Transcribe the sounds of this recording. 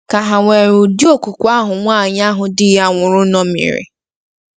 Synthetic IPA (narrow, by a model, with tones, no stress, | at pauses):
ka˨ɦa˨ŋʷe˨ɾu˨di˦o˦˨ku˨kʷu˨˦a˦ɦʊ˨ŋʷaː˦˨ɲa˦ɦʊ˨dɪ˦ja˦ŋʷʊ˨ɾʊ˦nɔ˦mḭ˨ɾɪ̰˨